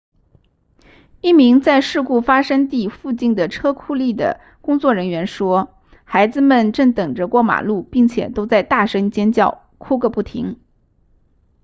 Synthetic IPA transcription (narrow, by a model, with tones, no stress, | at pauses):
i˥˩mi˧˥ŋt͡sa˥˧ɪʂɻ̩˥˧ku˥˩fa˥ʂɤ˥ŋt̪i˥˧fu˥˧t͡ɕi˥˩nd̪ə˩ʈ͡ʂʰɤ˥kʰu˥˧li˥˩d̪ə̰˩ | kʊ˥ŋt͡swɔ˥˩ɻə˧˥nɥɛ˧˥nʂwɔ˥ | xa˧˥ɪd͡zɹ̩˧mə˨nʈ͡ʂɤ˥˩ŋt̪ɤ˨˩ŋʈ͡ʂə˦kwɔ˥˩ma̰˨˩lu˥˧pi˥˩ŋt͡ɕʰjɛ̰˨˩t̪o˥ʊt͡sa˥˧ɪt̪a˥˩ʂɤ˥ŋt͡ɕjɛ˥nt͡ɕjɑ˥˩ʊ | kʰu˥kə˥˧pu˥˩t̪ʰḭ˧˥ŋ